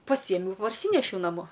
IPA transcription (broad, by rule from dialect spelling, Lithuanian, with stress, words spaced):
pɐˈsʲiɛmʲɛʊ pɐrʲˈsʲiːnʲɛʃʲɛʊ nɐˈmoː